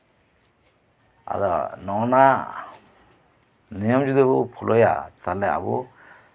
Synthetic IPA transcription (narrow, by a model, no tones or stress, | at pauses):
a̰d̪ɔnɔna | nijɔmd͡ʒud̪ibɔpʰɔlʔɔja̰t̪alɛa̰bɔ